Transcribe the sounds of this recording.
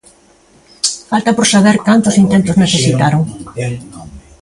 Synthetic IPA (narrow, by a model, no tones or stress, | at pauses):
falt̪ɐpoɾsaβ̞eɾkant̪ʊsint̪ent̪ʊzneθesit̪aɾoŋ